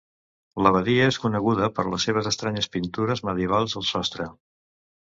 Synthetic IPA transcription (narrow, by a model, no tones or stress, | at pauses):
ləβ̞əðiəeskunəɣuðəpəɾləseβəzəst̪ɾaɲəspint̪uɾəzməðjəβalˠzðəlˠsɔst̪ɾə